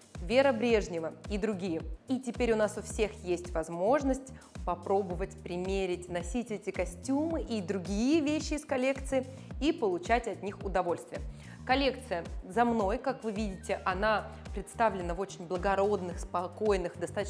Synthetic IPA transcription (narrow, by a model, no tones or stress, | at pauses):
vʲeɾəbɾʲe̞ʐnʲɪvəid̪ɾʊɡʲijəitʲɪpʲeɾʲʊnasʊfsʲexjesʲtʲvɐzmo̞ʐnəsʲtʲ | pɐpɾo̞bəvətʲpɾʲɪmʲeɾʲɪtʲnɐsʲitʲɛtʲɪkɐsʲtʲumɨʔid̪ɾʊɡʲijəvʲeɕːɪːskɐlʲe̞kt̪sɨɪ | ipəlˠʊt͡ɕætʲɐt̪nʲixʊd̪ɐvo̞lʲst̪vʲɪjə | kɐlʲe̞kt̪sɨjəzɐmno̞jkakvɨvʲidʲɪtʲɪʔɐnapɾʲɪt̪st̪avlʲɪnəvo̞t͡ɕɪnʲblˠəɡɐɾo̞d̪nɨxspɐko̞jnɨxd̪ɐst̪at̪